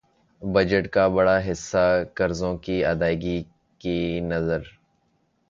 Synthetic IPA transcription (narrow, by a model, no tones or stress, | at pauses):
bɐd͡ʒəʈkabɐɽaɦɪsːakɐɾzõkiɐd̪aːɪɡi | kinɐzəɾ